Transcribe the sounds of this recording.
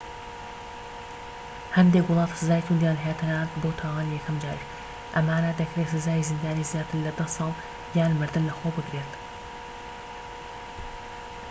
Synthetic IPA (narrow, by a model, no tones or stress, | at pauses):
hɐnd̪ekwʊlˠɑːt̪sɨzaːjit̪ʰund̪jaːnɦet̪ʰɨnaːt̪boːt̪ʰaːwaːnijɛkʰɐmd͡ʒaːɾiʃ | ʔɐmaːnad̪ɐkʰɾesɨzaːjizɨnd̪aːniːzjaːt̪ʰɨɾlɐd̪ɐsɑːlˠ | jaːnmɨɾd̪ɨnlɐxoːbɨd̪ɾet̪